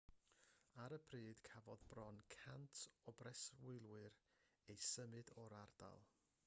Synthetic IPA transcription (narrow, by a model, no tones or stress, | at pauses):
aɾəbʰriːd̥kʰavɔðbrɔnkʰantʰɔbrɛswɪlˠwɨɾ | ejsəmɨdɔɾard̥a̰lˠ